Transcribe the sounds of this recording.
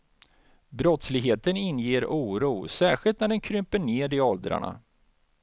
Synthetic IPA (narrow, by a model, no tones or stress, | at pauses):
bɾɔt̪slɪɡɦeːt̪ənɪnːjeːɾuːɾuːsæːɧɪlt̪næɖɛnkʰɾʏmpəɳeːɖɪɔld̪ɾa̰ɳa̰